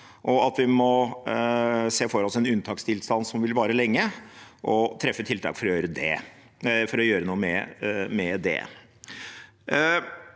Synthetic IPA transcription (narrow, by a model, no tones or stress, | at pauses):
ʔɔɑt̪ʋɪmɔ | seːfɔɾɔsɛnʉnt̪ʰɑːkst̪ɪlst̪ɑnsɔmʋɪlʋɑːɾəlɛŋːəʔɔt̪ʰɾɛfːət̪ʰɪlt̪ʰɑ̰ːkfɔɾɔjøːɾəd̪ɛ̰ | fɔɾɔjøːɾənuːəmɛ̰mɛd̪ɛ̰